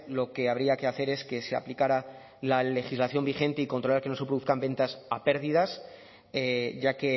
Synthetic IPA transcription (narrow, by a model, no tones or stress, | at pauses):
lo̞ke̞aβ̞ɾiake̞aθe̞ɾe̞ske̞se̞a̰plikaɾa | lale̞xizlaθjo̞mbiχe̞nt̪e̞iko̞nt̪ɾo̞laɾke̞no̞s̬epɾuθkambe̞nt̪asape̞ɾðið̞as | eʝake̞